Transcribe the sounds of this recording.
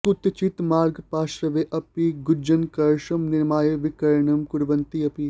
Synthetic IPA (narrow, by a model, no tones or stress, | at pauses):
kut̪t͡ʃit̪maːɾɡpaːʃɐʋeːʔɐpiɡud͡ʒɐnkɐɾʃɐmnɪɾmaːjeʋɪkɐɾɳɐmkʊɽʋɐnt̪iɐpi